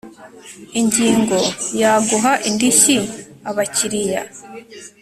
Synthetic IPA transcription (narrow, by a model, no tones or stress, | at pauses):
iɲɟiːŋɡo̞jaːɡuɦaʔindiʃi | aβaciɾija̰